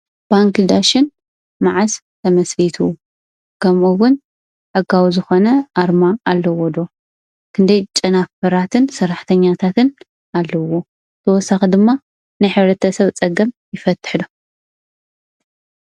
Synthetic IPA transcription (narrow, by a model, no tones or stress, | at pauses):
b̥aŋkd̪aʃɪn | maʕas | t̪ʰɐmɐslit̪ʰu | kʰɐmʔuwʊn | ħɨɡawizɨxo̞nɐʔaɾmaːlːɐwod̪o̞ | kʰɨnd̪ɐjt͡ʃʼɐnafɨɾat̪ʰɨnsɐɾːaħt̪ʰɐɲːat̪ʰat̪ʰɨn | alːɐwo̞ | t̪ʰɐwɔsaxid̪ɨmːa | najħɨβɾɐt̪ʰɐsɐβt͡sʼɐɡɐmjɪfɐt̪ʰːɨ̥ħd̪u